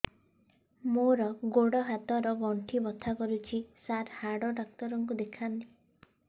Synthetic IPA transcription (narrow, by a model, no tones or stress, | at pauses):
moɾɔɡoɽɔɦat̪ɔɾɔɡɔɳʈʰibɔt̪ʰakɔɾut͡ʃʰisaɾhaɽɔɾak̚t̪ɔɾɔŋkud̪ekʰant̪i